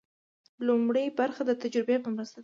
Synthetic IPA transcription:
lumɽəjbaɾxad̪ət̪ad͡ʒɾɪbepəmɾəst̪a

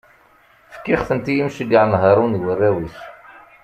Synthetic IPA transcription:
fə̥kːiχθənt̪ijimʃəɡaʕnɦəɾˤunwərːæwiθ

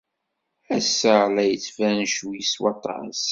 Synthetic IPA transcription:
æsːəlæjət͡sːfænʃwiswɑt̪ˤɑ̰s

